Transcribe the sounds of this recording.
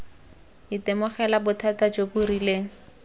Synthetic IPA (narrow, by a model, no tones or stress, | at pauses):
ɪtɪmʊχɛlabʊtʰatad͡ʒoburileːŋ̩